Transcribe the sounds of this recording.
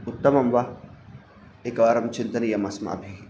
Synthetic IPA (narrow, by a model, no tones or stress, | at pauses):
ʊt̪ːɐmɐmʋa | ekaːɾɐmt͡ʃɪnt̪ɐnijɐmɐsma̰ːbʱi